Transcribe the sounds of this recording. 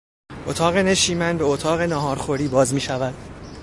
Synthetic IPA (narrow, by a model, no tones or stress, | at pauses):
ʔot̪ʰɒːɣe̞ne̞ʃiːmænbe̞ot̪ʰɒːɣe̞nɒːɦɒːɾxoɾiːbɒːzmiːʃævæd̪̥